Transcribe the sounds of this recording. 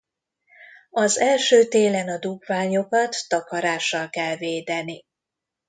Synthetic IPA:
ɒzɛlʃøːt̪eːlɛnɒd̪uɡvaːɲo̞kɒt̪ːɒkɒɾaːʃːɒlkɛlveːd̪ɛni

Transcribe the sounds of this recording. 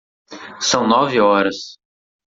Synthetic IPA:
sɐ̃w̃nɔvɪɔɾɐs

